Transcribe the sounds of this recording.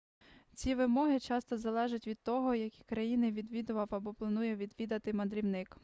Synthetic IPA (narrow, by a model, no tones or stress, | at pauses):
t͡sʲiʋɪmɔɦɪt͡ʃɑst̪ɔzɐlˠɛʒɐtʲʋʲid̪t̪ɔɦɔjɐkʲi̥kɾɐjinɪʋʲid̪ʋʲid̪ʊʋɐwɐbɔplˠɐnujɛʋʲid̪ʋʲid̪ɐt̪ɪmɐd̪ɾʲiwnɪk